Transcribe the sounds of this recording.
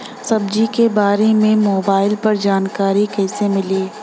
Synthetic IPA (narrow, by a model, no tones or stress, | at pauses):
sɐb̚d͡ʒikebaːɾemẽmoːbaːɪlpɐɾd͡ʒaːnkaːɾikɛːsemɪliː